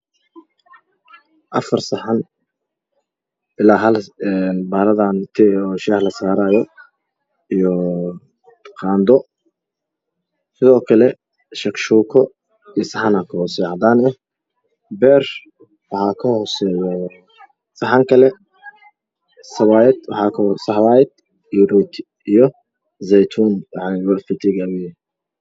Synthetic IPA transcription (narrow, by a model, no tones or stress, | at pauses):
ʔɐfɐrsɐħan | ɪlaːɦɐlɛnbaːɾɐðant̪ʰɛːɔːʃɛlɐsaːɾaːjɔ | ijɔ | qʰɑːnd̪ɔ | sɪðɔːkʰɐlɛ | ʃɐkʃuːkʰɔ | isɐħɑnɐkʰɐhɔsɛːʕɑd̪aːnɛh | bɛːr | wɑħɑːkʰɐhɔːsɛːjɔ | sɐħɑŋkʰɐlɛ | sɐβaːjɛd̪wɑħɑːkʰːsɐhwaːjɛd̪ | iɾɔt̪ʰ | ijɔ | zɛjt̪ʰuːnwɑħɑjwɐlfɪt̪ʰɪɡawɛjɛ